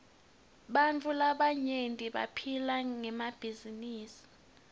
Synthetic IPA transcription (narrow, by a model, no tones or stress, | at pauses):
ɓant͡fʰʼulaɓaɲentʼiɓa̰pʰilaŋɛmab̥ʱiziniːsi̥